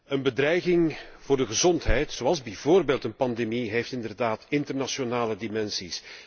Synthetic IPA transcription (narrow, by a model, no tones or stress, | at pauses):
ənbədrɛjɣɪŋv̥ʊːrdəɣəzɔntɦɛjtsowɑlˠzbɛvoːrbeːlˠtənpɑndemiɦejftɪndərdaːtɪntərnaʃonaːlədimɛnsis